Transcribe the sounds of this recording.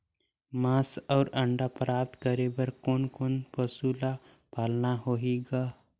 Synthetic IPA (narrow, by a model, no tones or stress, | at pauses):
mãːsɔːɾəɳɖapɾaːp̚t̪kəɾebəɾkoːnkoːnpəsula | paːlnaɦoɦeɡaː